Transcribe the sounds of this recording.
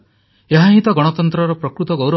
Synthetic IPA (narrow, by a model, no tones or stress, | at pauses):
eɦaɦit̪ɔɡɔɽ̃ɔt̪ɔnt̪ɾɔɾɔpɾɔkɾut̪ɔɡowɾɔ